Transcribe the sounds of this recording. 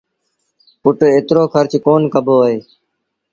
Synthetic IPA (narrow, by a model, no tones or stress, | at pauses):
pʊʈeːt̪ɾoːkʰəɾt͡ʃkoːnkəbʱoːɦeː